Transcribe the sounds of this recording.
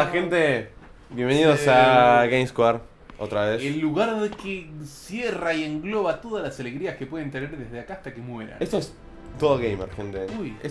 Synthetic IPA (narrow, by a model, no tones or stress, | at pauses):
axent̪e | bjembeniðosaɣejmskwaɾ | ot̪ɾaβeselːuɣaɾðekesjeraieŋɡlo̞βat̪o̞ðalasaleɣɾiaskepwe̞ð̞e̞nt̪e̞neɾðezð̞eakaːst̪ake̞mwe̞ɾa̰nest̪oes | t̪oðoɣejmeɾxent̪eujes